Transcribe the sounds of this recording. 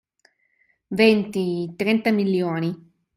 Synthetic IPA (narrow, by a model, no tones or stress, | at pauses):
vɛnt̪it̪ɾɛnt̪amiljoːni